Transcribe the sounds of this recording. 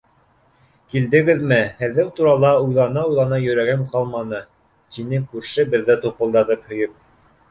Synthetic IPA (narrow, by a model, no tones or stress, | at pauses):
kild̪ɘ̆ɡɘðmɘhɘ̆ðɘwt̪uɾɑlˠɑujlˠɑnɑujlˠɑnɑjɵ̆ɾæɡɘmqɑlˠmɑnɤ | t̪inɘkʉɾʃɘbɘ̆ðːæt̪upɤ̆lˠd̪ɑt̪ɤphɵ̆jɵp̚